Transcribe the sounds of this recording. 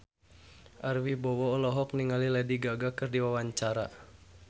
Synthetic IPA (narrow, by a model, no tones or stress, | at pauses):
ʔarwibɔwɔːlɔɦɔk̚niŋalilɛdiɡaɡakɨrdiwawaɲt͡ʃaɾa